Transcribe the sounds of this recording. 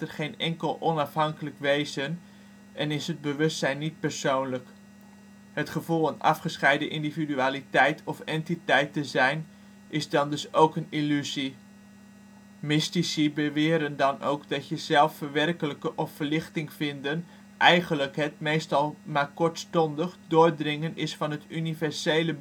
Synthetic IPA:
tərχejnɛŋkəlˠɔnɑfɦɑŋkələkʋejzən | ʔɛnɪsɦəd̚bəʋɵstsɛjnːit̚pəɹsownlək | ɦətχəvulˠanɑ̰fχəsχɛjdəʔɪndividyaːlitɛjtʰɔfɛntitɛjtəzɛjn | ʔɪzdɑndɵsowkənilyzi | mɪstisibəʋɪːɾəndɑno̰wkdɑtjəzɛlˠfəʋɛrkələkəʔɔfːəɹlɪχtɪŋfɪndən | ʔɛjχənləkɦət̚mejstɑlˠmaːɹkɔɹtstɔndəχdʊːɹdrɪŋənɪsfɑnɦətʰynivɛɹsejlə

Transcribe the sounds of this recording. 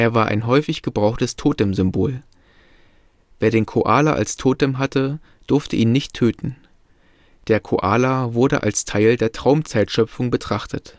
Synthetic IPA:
ʔeːɐvaːɐʔa̰ɪnɦɔʏfɪçɡ̥əbʁaʊxtəstʰoːtɛmzʏmboːl | veːɐɾeːnkʰoʔaːlaʔa̰lstʰoːtɛmɦatə | d̥ʊɐftəʔiːnːɪçtʰːøːtn̩ | d̥eːɐkʰoʔaːlavʊɐdə̰ʔa̰lstʰaɪldeːɐtʁ̥aʊmt͡saɪtʃœpfʊŋbətʁ̥aχtʰət

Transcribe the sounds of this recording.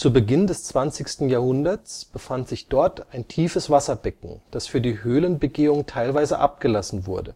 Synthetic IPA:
t͡suːbəɡɪndɛst͡sv̥ant͡sɪçstn̩jaːɐhʊndɐt͡sb̥əfantz̥ɪçd̥ɔɐtaɪntʰiːfəsv̥asɐbɛkŋ̩d̥asfyːɐdiːɦøːlənbəɡeːʊŋtʰaɪlvaɪzəʔa̰p̚ɡ̥əlasn̩vʊ̰ɐdə

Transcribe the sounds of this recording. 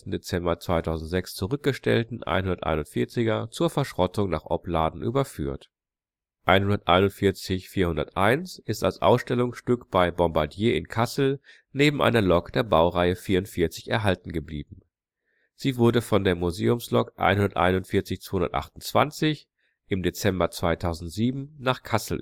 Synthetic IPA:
tn̩det͡sɛmbɐt͡sv̥aɪtʰaʊzn̩tz̥ɛkst͡suʁʏk̚ɡ̥əʃtɛ̰ltn̩ʔa̰ɪnhʊndɐtʔa̰ɪnʊntfɪɐt͡sɪɡɐt͡suːɐfɛɐʃʁ̥ɔtʊŋnaːχʔɔ̰plaːdn̩ʔy̰ːbɐfy̰ːɐt | ʔʔaɪnhʊndɐtʔa̰ɪnʊntfɪɐt͡sɪçfiːɐhʊndɐ̰tʔaɪnsʔɪsta̰lsʔa̰ʊsʃtɛlʊŋsʃtʏkb̥aɪbɔmbaɐdjeːɪnkʰasl̩ | neːbm̩ʔa̰ɪnɐlɔkd̥eːɐbaʊʁaɪəfiːɐʊntfɪɐt͡sɪçɛ̰ɐɦaltn̩ɡəbliːbm̩ | z̥iːvʊɐdəfɔndeːɐmuzeːʊmslɔkʔa̰ɪnhʊndɐtʔa̰ɪnʊntfɪɐt͡sɪçt͡sv̥aːhʊndɐ̰tʔa̰χtʊn̩t͡sv̥a̰nt͡sɪç | ʔɪmdet͡sɛmbɐt͡sv̥aɪtʰaʊzn̩tz̥iːbm̩naːχkʰasl̩

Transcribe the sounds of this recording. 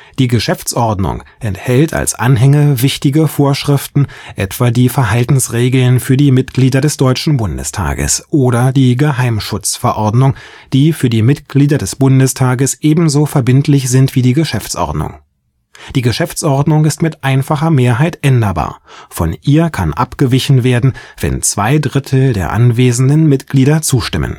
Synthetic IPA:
d̥iːɡəʃɛft͡sʔɔɐdnʊ̰ŋʔɛnthɛltʰa̰lsʔa̰nɦɛŋəvɪçtɪɡəfoːɐʃʁ̥ɪftn̩ʔɛ̰tv̥aːdiːfɛɐhaltn̩sʁeːɡl̩nfyːɐdiːmɪtɡ̥liːdɐdɛsd̥ɔʏt͡ʃn̩bʊndə̰stʰa̰ːɡə̰sʔoːɾɐdiːɡəɦaɪmʃʊt͡sfɛɐʔɔɐdnʊŋ | d̥iːfyːɐdiːmɪtɡ̥liːdɐdɛsb̥ʊndəstʰaːɡəsʔeːbm̩zoːfɛɐbɪntʰlɪçz̥ɪntv̥iːdiːɡəʃɛft͡sʔɔ̰ɐdnʊ̰ŋ | d̥iːɡəʃɛft͡sʔɔɐdnʊŋɪstmɪtʔaɪnfaχɐmeːɐɦaɪtʔɛndɐba̰ːɐfɔ̰nʔiːɐkʰanʔapɡ̥əvɪçn̩veːɐdn̩v̥ɛ̰nt͡sv̥a̰ɪdʁɪtʰl̩deːɐʔa̰nveːzn̩dənmɪtɡ̥liːdɐt͡suːʃtɪmʔə̰n

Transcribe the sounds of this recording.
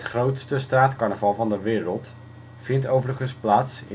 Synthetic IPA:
tχrowtstəstraːtkɑɹnəvɑlˠvɑndəʋɪːɾəlˠt | fɪntowvərəχənsplaːtsɪ

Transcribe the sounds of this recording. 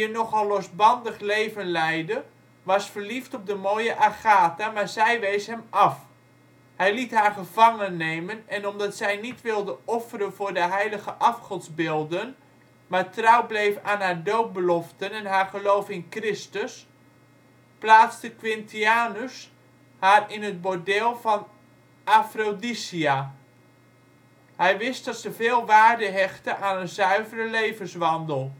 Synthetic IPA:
ənɔχɑlˠlɔsbɑndəχleːvənlɛjdə | ʋɑsfərliftɔp̚dəmoːjəʔaχaːtamaːɹzɛjʋejsɦɛmɑf | hɛjlitɦaːrχəv̥ɑŋənːeːmənɛnɔmdɑtsɛjnitʋɪlˠdəɔfərənvʊːɹdəɦɛjləɣəʔɑfχɔnzbɪːlˠdən | maːɹtrawblejfaːnɦaːɹdowt̚bəlɔftənɛnɦaːɹχəlowfɪnkrɪstəs | plaːt͡stəkʋɪntiaːnus | haːrɪnɦət̚bodɛlˠvɑn | afrodisia | hɛjʋɪst̚dɑtsəvɪːlˠʋaːɹdəɦɛχtəʔaːnənzœɥvərəlejvənsʋɑndəlˠ

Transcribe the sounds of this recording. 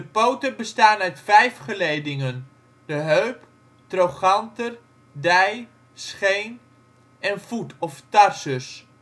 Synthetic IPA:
dəpowtəbəstaːnœɥtfɛjfχəlejdɪŋən | d̥əɦøɥp | trowχɑntər | dɛj | sχejn | ɛnv̥utʰɔftɑrsəs

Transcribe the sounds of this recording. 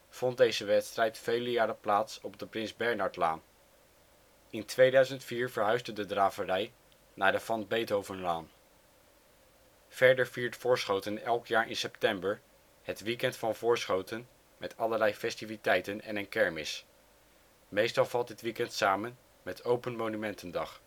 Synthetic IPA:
v̥ɔnt̚dejzəʋɛtstrɛjtfejləjaːɾəplaːtsɔb̚dəprɪnzbɛɹnɑɹtla̰ːn | ɪntʋejdœɥzəntfiːɹvəɹɦœɥzdədədraːvərɛj | naːdəfɑnbejtowvənlaːn | v̥ɛɹdəɹviːɹtfʊːɹsχowtənɛlˠkjaːɹʔɪ̰nsɛptɛmbəɹ | ɦətʋikɛntfɑnvʊːɹsχowtən | mɛtɑləɹlɛjfɛstivitɛjtənɛ̰nənkɛɹmɪs | mejstɑlˠv̥ɑlˠt̚dɪtʋikɛntsaːmən | mɛtʰowpənmonymɛntəndɑχ

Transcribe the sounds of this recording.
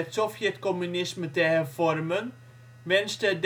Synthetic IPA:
ətsɔfjɛtkɔmynɪsmətəhɛrvɔrmən | mɛnstəd

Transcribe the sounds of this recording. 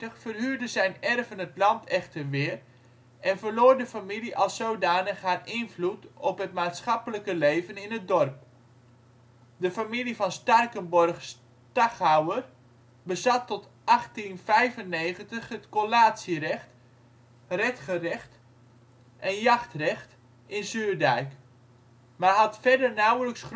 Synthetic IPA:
əχfərɦyːrdəzɛjnɛrvənətlɑntʰɛχtərʋɪːr | ʔɛnvərloːrdəfamiliʔɑlˠsowdaːnəχɦaːrʔɪnvlutɔpɦət̚maːtsχɑpələkəlejvənɪnɦət̚dɔrp̚ | dəfamilivɑnstɑrkənbɔrχs | tɑχhawər | bəzatːɔt | ʔɑχtinfɛjvənːejχəntəχətkolaːtsərɛχt | rɛtχərɛχt | ʔɛnjɑχtrɛχt | ɪnsyːrdɛjk | marɦɑtfɛdərnawləksχ

